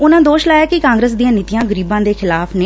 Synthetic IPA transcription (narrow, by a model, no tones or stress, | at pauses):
ʊnãːd̪oːʃlaːjaːkɪkãːŋɡɾəs̬d̪iːãːnɪt̪ɪjãːɡəɾiːbãːd̪eːxʰɪlaːpʰneː